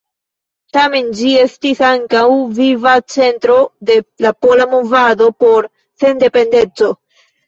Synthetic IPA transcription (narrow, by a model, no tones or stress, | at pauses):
tame̞nd͡ʒie̞stisaŋkawvivat͡se̞ntɾo̞de̞lapo̞lamovado̞po̞ɾ | se̞nde̞pe̞nde̞t͡so̞